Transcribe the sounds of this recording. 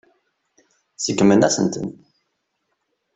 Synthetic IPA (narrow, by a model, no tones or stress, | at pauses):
səɡːmənæsə̰nt̪ə̰n